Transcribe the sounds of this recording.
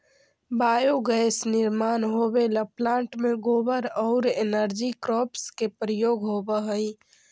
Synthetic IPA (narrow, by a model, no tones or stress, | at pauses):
bajoɡɛjsniɾmanɦobeləplãɳʈmeɡobəɾɔʊɾenəɾd͡ʒikɾɔpskepɾəjoɡɦobəɦəj